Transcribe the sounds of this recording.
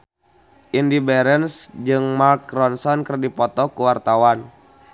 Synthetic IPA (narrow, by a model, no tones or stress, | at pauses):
ʔindibɛɾɛnsd͡ʒɨŋmarkɾɔnsɔnkərdipɔt̪ɔkuwart̪awan